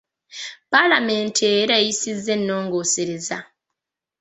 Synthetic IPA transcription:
palamentʰeɾajisizːe̞nːoːŋɡoːseɾeza

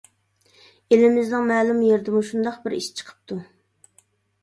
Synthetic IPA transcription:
elɪmɪznɨŋmɛːlˠumjeɾd̪ɪmuʃund̪ɑqbɪɾḭʃt͡ʃʰə̥qʰə̥p̚t̪ʰu

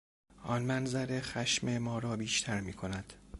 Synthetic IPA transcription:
ɒnmænzæɾe̞xæʃme̞mɒːɾɒːbiːʃt̪ʰæɾmiːkʰonæd̪̥

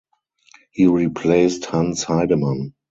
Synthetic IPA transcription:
hiːɹipʰleɪsthãnshaɪdəmãn

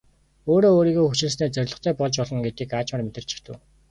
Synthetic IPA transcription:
oːɾoːoːɾiːɣoːxut͡ɕɪ̆ɮs̬niːt͡sœɾʲɮɞ̆χt̪ʰæːpɔɮt͡ɕpɔɮɞ̆ŋɡet̪iːkaːt͡ɕmə̆rmet̪ɘ̆r̥t͡ɕʰɪ̥̆xt̪ʰɘ̆w

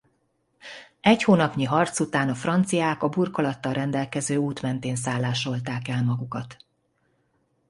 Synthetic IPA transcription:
ɛchoːnɒpɲiɦɒrt̪sut̪aːnɒfrɒnt̪sijaːkɒburkolɒt̪ːɒlrɛnd̪ɛlkɛzøːuːt̪mɛnt̪eːns̬aːlːaːʃo̞lt̪aːkɛlmɒɡukɒt̪

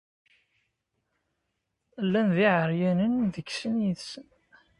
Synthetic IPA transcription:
lːænðiʕəɾjænənðəɡsənjəðsən

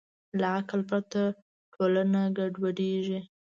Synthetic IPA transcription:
laaklpɾat̪a | ʈʰolanaɡaɖwaɽeʒi

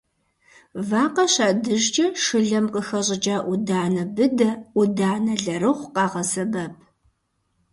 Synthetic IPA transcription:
vaːqɐɕaːdɨʒt͡ʃʼɐʂɨɮɐmqʼəxɐɕʼɪd͡ʒʼaːʔʊdaːnɐbɨdɐudaːnɐɮɐɾɨʁʷqɑːʁɐsɐbɐpʰ

